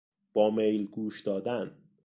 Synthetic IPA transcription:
b̥ɒːmejlɡuːʃd̪ɒːd̪æn

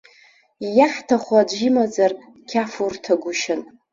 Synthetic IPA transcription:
jaħtʰaχʷad͡ʒʷimad͡zarʼ | kʲʰafurtʰaɡʷʊʃɪn

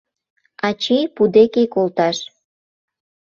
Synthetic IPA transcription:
ɑt͡ɕijpud̪ekekolt̪ɑʃ

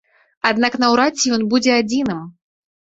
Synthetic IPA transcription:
ad̪naknɐwɾat͡sʲːijɔnbud͡zʲɛad͡zʲinɨm

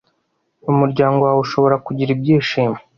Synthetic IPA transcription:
umuɾɟaːŋɡowauʃo̞βo̞ɾakuɟiɾib̚ɟiːʃiːme

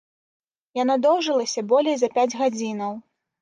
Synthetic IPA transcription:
janad̪ɔwʐɨlˠɐsʲɐbɔlʲejzɐpʲad͡zʲɣad͡zʲinɐw

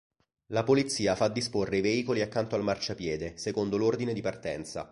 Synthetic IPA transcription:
lapolit̪sːiːafad̪ːisporːeiveiːkoliakːant̪oalmart͡ʃapjɛːd̪esekond̪olord̪ined̪ipart̪ɛnt̪sa̰

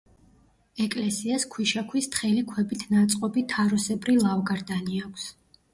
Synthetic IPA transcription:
ɛkʼlɛsiaskʰwiʃakʰwist̪χɛlikʰwɛbit̪ʰnat̪sʼqʼɔbit̪ʰaɾɔsɛbɾilˠavɡaɾd̪aniakʷʰs

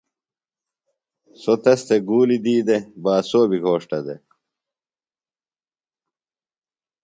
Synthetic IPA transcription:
sot̪ɐst̪eɡuːlid̪iːd̪ebaːsoːbiɡʱoːʂʈɐd̪e

